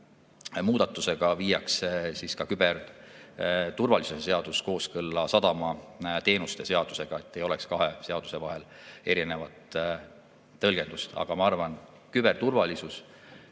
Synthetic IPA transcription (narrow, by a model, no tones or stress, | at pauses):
muːd̪̥ɑt̪ːˑuse̞ɡ̥ɑviːjːɑkssiskɑkyber | t̪urvɑlisusese̞ɑd̪̥usko̞ːskɤlːɑsɑd̪̥ɑmɑt̪e̞ːnust̪e̞se̞ɑd̪̥u̥se̞ɡ̥ɑe̞t̪ːejo̞le̞̰kskɑɦe̞se̞ɑd̪̥use̞vɑɦe̞le̞ɾine̞vɑt̪ | ɤlɡ̥e̞nd̪̥ust̪ɑ̰ɡ̥ɑmɑɑrvɑn | kybe̞rt̪urvɑlisus